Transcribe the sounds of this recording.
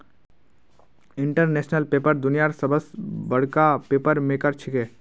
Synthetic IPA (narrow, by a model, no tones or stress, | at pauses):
ɪɳʈəɾneːsnəlpeːpəɾd̪ʊnijaɾsəbəsbɐɽ̤kapeːpəɾmẽkəɾt͡ʃʰɪkeː